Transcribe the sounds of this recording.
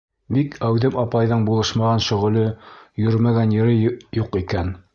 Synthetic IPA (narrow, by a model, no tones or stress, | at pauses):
bikʰæwðɘmɑpɑjðɤɴbulˠɤʃmɑʁɑnʃɵ̆ʁɤ̆lɵjɵɾmæɡænjɘ̆ɾɘjuqikæn